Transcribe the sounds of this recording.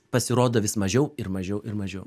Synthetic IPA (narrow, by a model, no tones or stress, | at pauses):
pɐsʲɪɾoːd̪oːʋʲɪsmɐʒʲɛʊɪɾmɐʒʲɛʊʔɪɾmɐʒʲɛʊ